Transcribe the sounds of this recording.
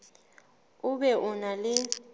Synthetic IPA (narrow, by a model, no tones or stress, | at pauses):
ʊɓɛʔunalɪ